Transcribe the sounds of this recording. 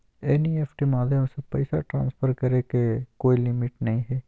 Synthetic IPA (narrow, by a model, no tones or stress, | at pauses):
ɛniːeːpʰʈiːmaːd̪ʱjəmsəpɛɪsaʈɾã̰ːnspʰəɾkəɾeːkekoːilɪmɪʈnəĩːɦeː